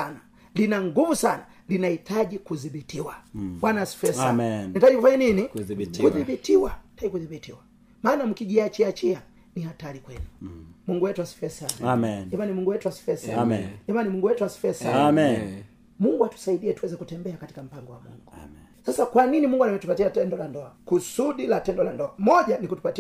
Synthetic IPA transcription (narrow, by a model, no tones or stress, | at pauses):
ana | linaŋɡumusana | linahitaʄikuðiɓitiwawanasi̥fɛsanitaʄikufaɲaninikuðiɓitiwaitaʄikuðiɓitiwa | maːnam̩kiʄiat͡ʃiat͡ʃia | nihatalikwɛnumuŋɡuwɛtuasi̥fɛsanaɛmanimuŋɡuwɛtuasi̥fɛsaɛmanimuŋɡuwɛtuasi̥fɛsaam | muŋɡuatu̥saiɗiɛtuwɛzɛkutɛmbɛakati̥kam̩paŋɡɔwa̰mṵŋɡu | sasakwaninimuŋɡuanamɛtupatiatɛndɔlandɔakusuɗilatɛndɔlandɔmɔʄanikutupati